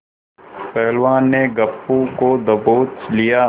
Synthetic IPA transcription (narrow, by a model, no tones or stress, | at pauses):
pɛːlʋaːnːeɡɐpːũkod̪ɐboːt͡ʃlija